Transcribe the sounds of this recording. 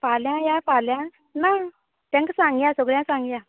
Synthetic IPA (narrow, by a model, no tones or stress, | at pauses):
paljãjapaljã | na | t̪jãŋksaŋɡjãsɔɡɭjãsãŋɡja